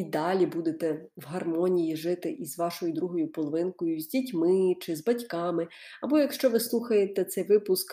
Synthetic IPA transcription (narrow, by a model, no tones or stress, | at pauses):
id̪ɑlʲibud̪et̪ɛʋɦɐrmɔnʲijiʒɪt̪ɪʔizʋɑʃɔjʊd̪ɾuɦɔjʊpɔlˠɔʋɪnkɔjʊzʲdʲitʲmɪt͡ʃɪzbɐtʲkɑmɪɐbɔjɐkʃt͡ʃɔʋɪslˠuxɐjet̪ɛt̪sɛjʋɪpʊsk